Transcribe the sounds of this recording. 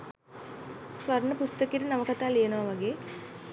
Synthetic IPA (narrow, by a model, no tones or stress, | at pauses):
sʋɐɾɳəpust̪əkiɾənɐʋɐkɐt̪aːlijɐnuʋaʋɐɡeː